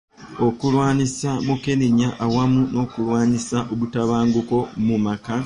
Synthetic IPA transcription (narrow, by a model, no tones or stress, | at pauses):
o̞kulwaːnisamukeniɲaʔawamuno̞ːkulwaːnisaʔoβutaβaːŋɡuko̞mumaka